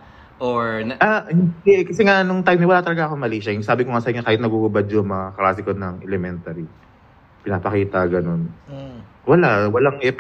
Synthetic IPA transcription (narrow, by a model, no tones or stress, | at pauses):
ʔoɹahɪd̪ɛkɐsɛŋaʔnʊŋt̪ajmnɛwɐlaːt̪ɐlɐɡaʔɐkomɐliːʃɐjɪsaːbɪkoŋasɐɪŋɲakaːhɪt̪nɐɡuɡʊbɐd̪̚d͡ʒomɐklaːsɪkonɐŋʔɛlɛmɛnt̪ɐɾi | pɪnaːpɐkiːt̪ɐɡɐno̞n | wɐlawɐlaŋɛp